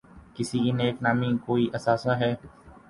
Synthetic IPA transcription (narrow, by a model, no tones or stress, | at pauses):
kɪsikineːknaːmikoːiʔɐsaːsnaɦɛː